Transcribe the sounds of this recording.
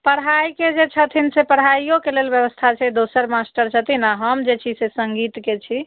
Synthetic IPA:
pəɽɦajked͡ʒet͡ʃʰət̪ʰinsepəɽ̤ɦajijokelelbjəʋəst̪ʰat͡ʃʰɛd̪osəɾmasʈəɾt͡ʃʰət̪inaɦəmd͡ʒet͡ʃʰisesəŋɡit̪ket͡ʃʰi

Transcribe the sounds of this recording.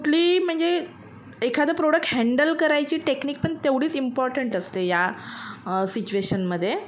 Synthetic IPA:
uʈliːm̤əɳd͡ze | ekʰad̪əpɾoɽək̚ʈhɛ̃ɳɖəlkəɾajt͡ɕiːʈekniːk̚pəɳt̪eʋɽiːt͡simpɔɾʈəɳʈəst̪eja | sit͡ɕueɕənməd̪ʱːje

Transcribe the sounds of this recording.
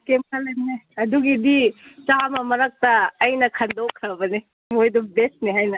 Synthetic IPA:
kemkʰɐlɐnɦajɐduɡidit͡ʃamɐmɐɾɐk̚tɐːjnɐkʰɐnd̪okʰɾɐbɐne | mojdubesniɦajnɐ

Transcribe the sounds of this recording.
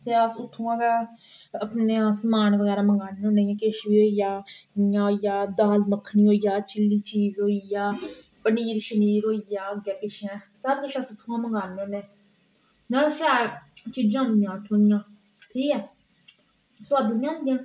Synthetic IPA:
t̪eːasʊt̪ʰːũːãːkaəpneːãsəmaːnʋəɣɛːɾaːməŋɡaːnõːnẽːjãːkeʃbiːɦoːijaːjãːoːijaːd̪aːlməkʰːniːɦoːijaːt͡ʃɪlːiːt͡ʃiːzɦoːijaː | pəniːɾʃəniːɾɦoːijaːəɡjaːkɪʃãːsaːɾk̪eʃasʊt̪ʰːũãːməŋɡaːnːõːneː | naʃaːt͡ʃiːd͡ʒãːʊ̃nd̪ɪjãːʈʰoːnɪjãː | tʰiːkɛː | sʊaːd̪oːjãːnd̪ɪjãː

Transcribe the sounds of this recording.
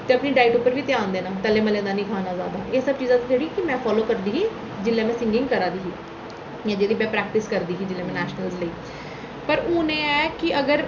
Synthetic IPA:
t̪eːəpniːɖaːɪʈupːəɾʋiːt̪ɪjãːnd̪eːnaːt̪əlẽːməlẽːd̪aːnĩːkʰaːnaːzaːd̪aːeːsəb̚t͡ʃiːzãːd̪iːd͡ʒeɽiːkɪmɛ̃ːpʰɔːloːkəɾd̪iːɦiː | d͡ʒɪlːẽːmɛ̃ːsɪ̃ŋɡɪ̃ŋɡkəɾaːd̪iːɦiː | jãːd͡ʒeːd̪iːmɛ̃ːpɾɛːk̚ʈɪskəɾd̪iːɦiːd͡ʒɪlːẽːmɛ̃ːnɛːʃnəlzləiː | pəɾuːnẽːɛːkɪʔəɡəɾ

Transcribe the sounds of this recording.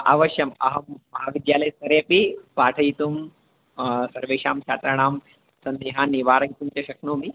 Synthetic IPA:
ʔa̰ʋɐʃjɐmɐ̰ɦɐːɐɦaːʋid̪jaːlɐjsɐɾjɐpipaːʈʰɐjit̪um | sɐɾʋeːʃaːmt͡ʃʰaːt̪ɾɐɳ̃aːm | sɐnd̪iɦaːnːiʋaːɾɐjit̪umt͡ʃɐʃɐknoːmi

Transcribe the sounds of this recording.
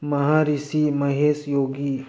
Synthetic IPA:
mɐɦaːɾisimɐɦeːsjoːɡi

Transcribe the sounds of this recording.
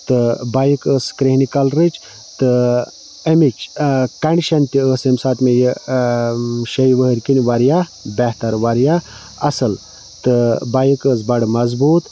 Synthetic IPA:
t̪ɨbajkəskɾeɦnikɐlɾɨt͡ʃ | t̪ɨ | emit͡ʃkɐɳɖʲiʃɐnt̪iəːsemsaːt̪mejə | ʃɐjʋəɦəɾʲkinʲʋaɾjabɛht̪ɐɾʋaɾja | ɐsɨl | t̪ɨbajikəːs̬bɐɽmɐzbuːt̪

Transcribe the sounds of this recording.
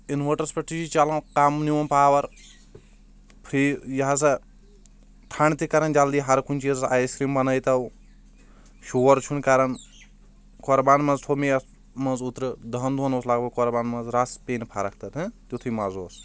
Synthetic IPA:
inʋəʈɐɾspɐʈʰid͡ʒit͡ʃɐlɐ̃kamniɐnpaːʋɐɾ | pʰɾijɐɦɐs̬ɐ | t̪ʰɐɳt̪ikɐɾɐnd͡ʒɐld̪iːɦɐɾkʰunʲt͡ʃʰizsajskɾiːmbɐnɐjt̪ɐw | ʃuːɐɾt͡ʃʰunkɐɾɐn | kɔɾbaːnmɐ̃zt̪ʰomijɐs | mɐnzut̪ɾɨd̪ɐnd̪ʱunoːslaːɡbɐkɔɾbaːnmɐzɾaspeːnpʰaɾɐk̚ʰt̪ɐt̪ʰɨt̪ut̪ʰujmɐzoːs

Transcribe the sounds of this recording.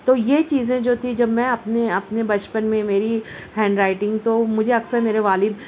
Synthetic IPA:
t̪oːjet͡ʃiːzẽd͡ʒoːt̪ʰid͡ʒɐbmɛ̃ɐpneɐpnebɐt͡ʃpənmẽmeːɾi | hɛ̃ːɳɖɾaːɪʈɪ̃ŋɡt̪oːmʊd͡ʒʱeɐksəɾmeːɾeʋaːlɪd̪

